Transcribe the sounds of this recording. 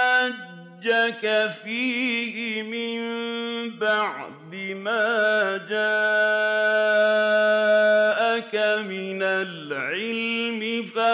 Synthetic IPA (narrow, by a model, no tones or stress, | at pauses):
ad͡ʒd͡ʒːakafiːhɪmɪmbaʕd̪ɪmaːd͡ʒaː | ʔakamɪnalʕɪlmɪfa